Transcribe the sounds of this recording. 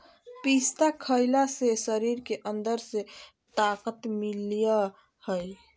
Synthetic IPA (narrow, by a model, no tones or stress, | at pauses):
pist̪akʰəjlasesəɾiɾkeʔənd̪əɾse | t̪akət̪milijə | həj